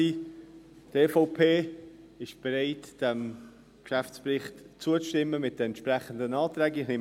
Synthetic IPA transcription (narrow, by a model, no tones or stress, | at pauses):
i | teːfoʊpʰeː | ɪʃb̥eɾaɪtd̥ɛm | kʃæft͡ssprɪχtt͡suət͡sʃtɪmːəmɪt̚d̥əɛntʃpʁɛχən̩dənaːtɾɛːɡiχlim